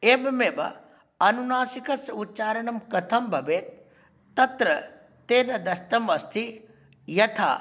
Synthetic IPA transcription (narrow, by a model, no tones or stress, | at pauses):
eːbɐmeːbɐ̰ | ɐnunaːsikɐsɐut̪̚ːt͡ʃaːɾɐɳɐmkɐt̪ʰɐmbʱɐbeːt̪ | t̪ːɐt̪ɾɐ | t̪eːnɐd̪ɐst̪ɐmɐst̪ʰi | jɐt̪ʰa̰ː